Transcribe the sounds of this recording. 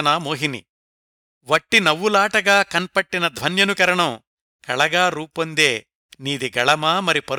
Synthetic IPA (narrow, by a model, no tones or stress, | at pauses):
naːmoːɦinḭ | ʋɐʈːinɐʋːulaːʈɐɡaːkɐnpɐʈːinɐd̪ʱʋɐnjɐnukɐɾɐɳɐm | kɐɭɐɡaːɾuːpond̪eː | niːd̪iɡɐɭɐmaːmɐɾipɐɾ